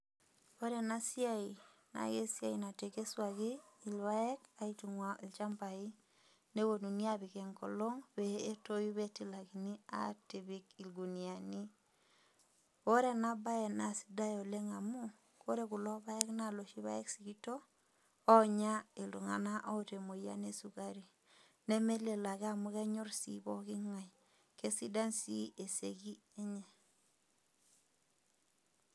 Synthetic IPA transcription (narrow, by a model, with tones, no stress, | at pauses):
o˦ɾe˨na˦sja˦i˨na̰˨ɡe˦sja˨i˨na˨te˨ke˦swa˨ɣi˦i˨lwa˦ɛ˦ka˦i˦tu˨ŋwa˨i˨lt͡ʃa˦mpa˨i˦ | ne˦wo˨nu˨ni˦a˦βi˨kɛ˨ŋkɔ̰˨lo˦ŋbeː˨˦to˦ju˦βe˦ti˦la˨ki˨ni˦a̰˦ti˨βi˦ki˨lɡu˨ni˨a˨ni˦ | o˦ɾe˦˨na˦ba˦ɛ˨na˨si̥˦da˦jo˨le˦ŋa˨mu˦ | ko˦ɾe˦ku˨lɔ˦βa˦jɛ˦kna˦˨lo˨ʃi˦βa̰˦je˦ksi˨ki˦toː˦ | ɲa˦e˨lu˨ŋa̰˨na˦ʔɔ˦te˨mo˨ja̰˦ne˦su˨ka˦ɾi˨ | ne˦me˦le˨la˨ɣa˦˨mu˦ɣɛ˦ɲo˦ɾsḭ˦bɔ˦ki˦ŋa˨j | ke˦si˦da˦nsi˦e˨sḛ˨ɡi˦ | e˦ɲe˨